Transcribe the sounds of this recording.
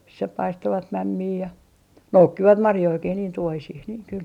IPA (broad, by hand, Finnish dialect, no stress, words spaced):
misːæ pɑistoʋɑt mæmːiː jɑ noukːiʋɑt mɑrjoikih niːn tuohisih niːŋ kyl